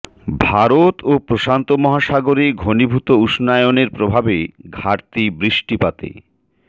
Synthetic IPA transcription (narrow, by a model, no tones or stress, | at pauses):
bʱaɾot̪ʰopɾoʃant̪omɔɦaʃaɡoɾiɡʱonibʱut̪ouʃnajoneɾpɾobʱabeɡʱaɾt̪ibɾiʃʈipat̪ḛ